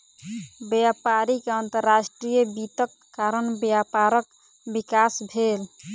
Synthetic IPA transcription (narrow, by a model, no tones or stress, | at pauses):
bjapaɾikeənt̪əɾːasʈɾijəbit̪əkːaɾənbjapaɾək | bikasbʱel